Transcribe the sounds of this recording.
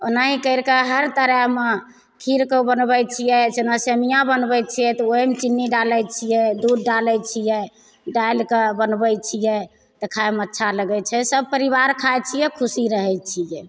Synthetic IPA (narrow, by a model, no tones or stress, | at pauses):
onaɦikəjɾkeɦəɾt̪əɾəɦme | kʰiɾkəbənbɛjt͡ʃʰijɛd͡ʒenasemijãbənbɛjt͡ʃʰijɛt̪ɔoemt͡ʃinːiɖalɛt͡ʃʰijɛd̪udɖalɛt͡ʃʰijɛ | ɖajlkebənbɛt͡ʃʰijɛ | t̪ɔkʰaemətːʃʰaləɡɛt͡ʃʰɛsəb̚pəɾiβaɾkʰajt͡ʃʰijɛkʰusiɾəɦɛt͡ʃʰijɛ